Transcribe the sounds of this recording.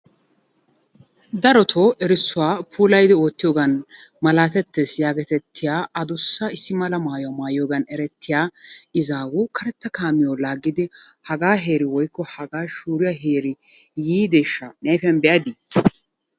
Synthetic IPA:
d̪ɐɾɔt̪ʰoːʔɛɾɪsːʊwaːpʰuːlɐjd̪ɪo̞ːt̪ːɪjoːɡɐnmɐlaːt̪ɛt̪ːesjaːɡɛt̪ɛt̪ʰːɪjaːʔɐd̪ʊsːɐɪsːɪmɐlɐmaːjʊɐmaːjoːɡɐnɛɾɛt̪ʰːɪjaːɪzaːwʊkʰɐɾɛt̪ːɐkaːmɪjoːlaːɡːɪd̪ɪ | hɐɡaːɦe̞ːɾɪwɔjkːɔhɐɡaːʃuːɾɪjaɦeːɾɪ | jiːd̪eːʃːɐnɛjfɐnbɛʔɐd̪ɪ

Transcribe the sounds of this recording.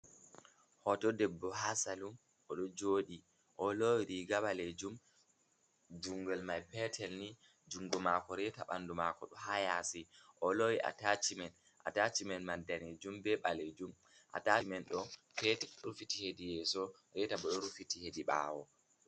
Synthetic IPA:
hɔtɔdɛbːɔɦasalum | ʔɔɗɔd͡ʒoːɗi | ʔɔlowiɾiɡaɓaled͡ʒum | d͡ʒuŋɡɛlmajpɛtʰɛlni | d͡ʒuŋɡɔmakɔɾɛtaɓandumakɔɗɔhajasiʔɔlowiʔa̰tat͡ʃimɛn | ʔa̰tat͡ʃimɛnmadaned͡ʒumbɛɓaled͡ʒum | ʔa̰tamɛnɗɔ | pɛtɛɾufitihedijɛsɔ | ɾɛtaɓɔɗɔɾufitihediɓa̰ːwɔ̰

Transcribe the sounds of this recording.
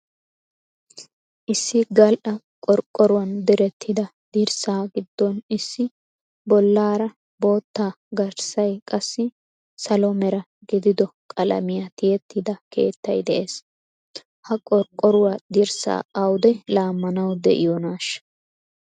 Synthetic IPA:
ʔɪsːɪɡɐlʔɐ | kʼɔɾkʼːɔɾʊwɐnd̪ɛɾɛt̪ʰːɪd̪ɐ | d̪iːɾsaːɡɪd̪ːɔnɪsːɪ | bɔlːaːɾɐ | bo̞ːt̪ːaː | ɡɐɾsɐjkʼɐsːɪ | sɐlɔmɛɾɐ | ɡɪd̪ɪd̪ɔkʼɐlɐ̰mɪjɐt̪ɪjɛt̪ːɪd̪ɐke̞̰ːt̪ːɐjd̪ɛʔe̞ːs | hɐkʼɔɾkʼːɔɾʊwad̪iɾsa̰ːɐwʊd̪ɛlaːmːɐnɐwd̪ɛ̰ʔɪ̰jɔnaːʃɐ̥

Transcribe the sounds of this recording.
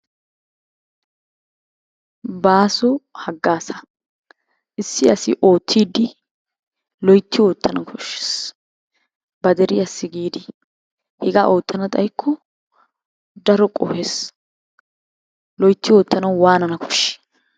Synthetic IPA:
baːsɔhɐɡːaːsɐ | ʔɪsːɪɐsɪʔo̞ːt̪ʰːiːd̪ɪ | lɔjt̪ːɪoːt̪ːɐnɐkʰɔʃːe̥s | bɐd̪ɛɾɪjɐsːɪɡiːd̪ɪ | hɛɡaʔo̞ːt̪ʰːɐnɐt̪ʼɐjkʰːɔ | d̪ɐɾɔkʼɔ̰hes | lɔjt̪ːɪwoːt̪ːɐnɐwwaːnɐnɐkʰɔ̥ʃːɛ̥

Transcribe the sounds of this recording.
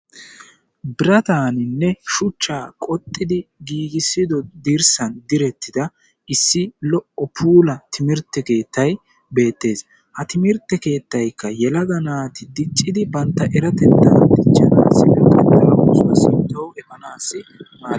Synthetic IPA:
bɪɾɐt̪aːnɪnːɛʃʊt͡ʃːaːkʼɔt̪ʼːɪd̪ɪɡiːɡɪsːɪd̪ɔd̪iɾsɐnd̪ɪɾɛt̪ʰːɪd̪ɐ | ɪsːɪlɔʔɔpʰuːlɐt̪ʰɪmɪɾt̪ːɛke̞ːt̪ːɐj | be̞ːt̪ːe̞ːs | hɐt̪ɪmɪɾt̪ːɛke̞ːt̪ːɐjkːɐjɛlɐɡɐnaːt̪ɪd̪ɪt͡ʃʼːɪd̪ɪbɐnt̪ːɐʔɛɾɐt̪ɛt̪ːɐd̪ɪt͡ʃːɐna̰ːsːɪnɛkʼɐd̪ɐnɐwuːsʊwɐsɪnt̪ːɔwɛbɐnaːsːɪmaː

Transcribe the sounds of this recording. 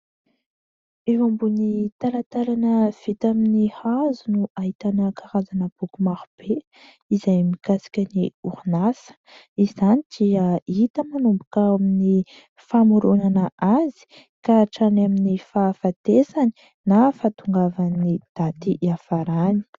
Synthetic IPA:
evambunit̪alat̪alanəv̥it̪aminihazunuaɦit̪anəkaɾazanəb̥ukumaɾub̥e | izajmikasi̥kʲəniuɾunasə̥ | iizanid̪̥iəit̪əmanumbukaamini | famuɾunanəʔazi̥ | kaʈ͡ʂanaminifafat̪esani̥ | nafat̪uŋɡavanid̪̥at̪iʔafaɾani̥

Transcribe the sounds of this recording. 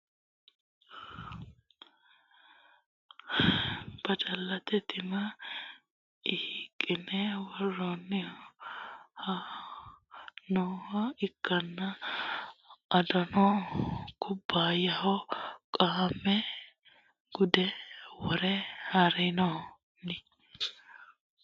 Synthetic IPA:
b̥ɐd͡ʒɐlːɐt̪ɛt̪ʰɪmɐ | ɪhikʼːɪnɛwɔrːɔnːɪ | hɐ | nɔhɐɪkːɐnːɐ | ɐd̪ɐnɔkʊbːaːjɐhɔkʼaːmɛ | ɡ̥ʊd̪ɛwɔɾɛhaɾɛnɔ | nɪ

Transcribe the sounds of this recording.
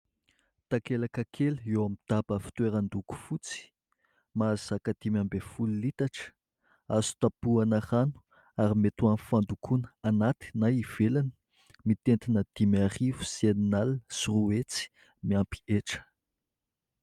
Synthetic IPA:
t̪akelakakʰeluewamid̪̥abəfi̥t̪weɾand̪uku̥fut͡si̥ | mazzakad̪̥imambefulilit̪aʈ͡ʂə̥ | azu̥t̪apuanaranu̥ | aɾimet̪uanfand̪ukʰunəanat̪i̥najiv̥elanə̥ | mit̪ent̪inəd̪̥imiarivu̥seninalsuruet͡si̥ | miampi̥eʈ͡ʂə̥

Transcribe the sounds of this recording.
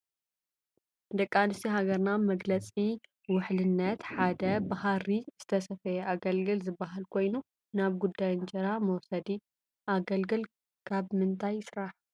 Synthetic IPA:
d̪ɐkʼːanɨst̪ʰiɦaɡɐɾnamɐɡlɐt͡sʼi | wʊħlɨnːɐt̪ħad̪ɐbahaɾiz̥ɨt̪ʰɐsɐfɐjɛʔaɡɐlɡɨlzɨbːaɦalkʰo̞jnu | naβɡud̪ːajnt͡ʃʼɐɾamɐwsɐd̪i | ʔaɡɐlɡɨl | kʰaβmɨnt̪ʰajɪsɾaħ

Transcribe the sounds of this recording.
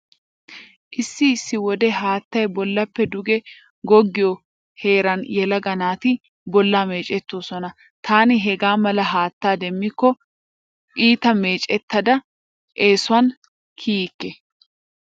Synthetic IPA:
ʔɪsːɪːsːɪwɔd̪ɛɦaːt̪ːɐjbɔlːɐpːɛd̪ʊɡɛ | ɡɔɡːɪjɔ | he̞ːɾɐnjɛlɐɡɐnaːt̪ɪ | bɔlːaːme̞ːt͡ʃʼɛt̪ːoːsɔnɐ | t̪ʰaːnɪɦɛɡaːmɐlɐɦaːt̪ːaːd̪ɛmːɪkːɔ | ʔiːt̪ɐme̞ːt͡ʃʼɛt̪ːɐd̪ɐ | ʔeːsʊɐn | kʰiːkːɛ

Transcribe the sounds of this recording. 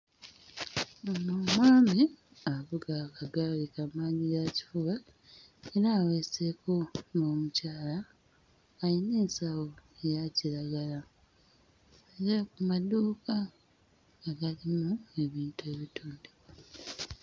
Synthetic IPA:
omumwaːmi | aβuɡakaɡalikamaːɲijaci̥fuβa | eɾaːweseko̞ŋoːmucaːlaː | jiniːnsawo̞ejacilaɡala | eɾakumaduːka | aɡalimue̞βiːntue̞ːβituːndea

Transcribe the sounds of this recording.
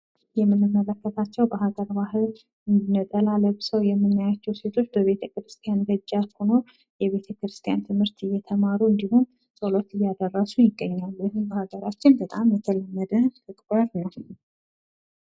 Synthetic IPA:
jɛmːɨnːɨmːələkːət̪ʰat͡ʃːɛwbəɦaɡəɾbaɦɨl | ɨnd̪inət̪ʼəlaləβsəwjɛmːɨnːajat͡ʃːɛwse̞t̪ʰo̞t͡ʃːbəβe̞t̪ʰəkɾɨst̪ʰijanbəd͡ʒːaho̞no̞ | jɛβe̞t̪ʰəkɾɨst̪ʰijant̪ʰɨmhɨɾt̪ɨjːɛt̪ʰəmaɾuɨnd̪iɦum | sʼolo̞t̪ɨjːad̪ərːəsujɪɡːəɲːalːjɪhɨmbəhaɡəɾat͡ʃːɪnbət̪ʼamjɛt̪ʰələmːəd̪ət̪ʰɨkʼbəɾnəw

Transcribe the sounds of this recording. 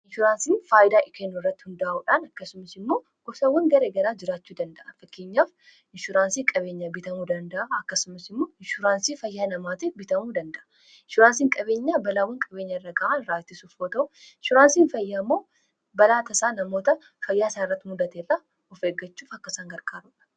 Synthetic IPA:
ɪnʃʊɾaːnsiːnfaːjɪd̪aːʔɪkʰenːʊɪrːɐt̪ːɪ̥hʊnd̪ɐʔɐʔuːᶑaːnɐkːɐsʊmɐsɪmːo̞ː | ɡ̥ɔsɐwːɐŋɡɐɾeːɡɐɾaːd͡ʒɪɾaːt͡ʃːuːd̪ɐnd̪ɐʔɐfɐkːeːɲːaːf | ɪnʃʊɾaːnsiːkʼɐbe̞ːɲːɐbɪt̪ɐmuːd̪ɐnd̪ɐʔaɐkːɐsʊmɐsɪmːo̞ːɪnʃʊɾaːnsiːfɐjːaːnɐmaːt̪ɛbɪt̪ɐmuːd̪ɐnd̪ɐʔɐ | ɪnʃʊɾaːnsiːŋkʼɐbe̞ːɲːaːbɐlaːwːɐŋkʼɐbe̞ːɲːɐɪrːɐɡɐʔaːnɾaːt̪ːɪsuːfoːt̪ɐʊɪnʃʊɾaːnsiːnfɐjːaːmːo̞ː | bɐlaːt̪ɐsaːnɐmo̞ːt̪ɐ | fɐjːaːsaːɪrːɐt̪ːɪmʊd̪ɐt̪eːrɐ | ɔfeːɡːɐt͡ʃːuːfɐkːɐsaːŋɡɐɾkaːɾuːᶑɐ̥

